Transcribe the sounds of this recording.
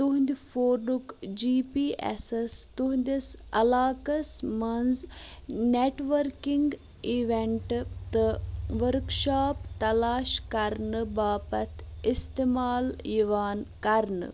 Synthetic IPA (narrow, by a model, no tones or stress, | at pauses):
t̪uɦnd̪ʲifoːɾnukd͡ʒiːpiːʔḛsest̪uɦnd̪ʲisɐ̰laːkɐsmɐnzneʈʋɐɾkiŋɡ | iʋeɳʈt̪ɨʋəɾkʃaːpt̪ɐlaːʃkɐɾnɨbaːpɐt̪ʰist̪eːmaːljiʋaːnkɐɾnɨ̰